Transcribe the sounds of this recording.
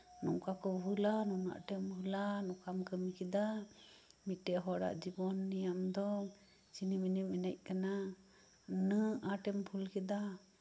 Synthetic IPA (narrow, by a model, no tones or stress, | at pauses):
nɔŋkakɔbulanɔna̰ʔʈɛmbulanɔkamkəmikid̪a | mit̪̚ʈɛʔɦɔɽa̰ʔd͡ʒibɔnːijamd̪ɔ | t͡ʃiniminiminac̚kana | nəaʈɛmpʰulkɛd̪a